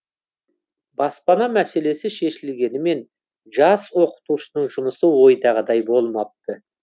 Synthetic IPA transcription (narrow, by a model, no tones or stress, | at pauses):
bɑspɑnɑmæse̞le̞sɪʃe̞ʃɪlɡʲe̞nɪme̞n | ʒɑswo̞qə̥t̪uʃənəɴʒʊməsəwo̞jd̪ɑʁəd̪ɑjbo̞lˠmɑp̚t̪ə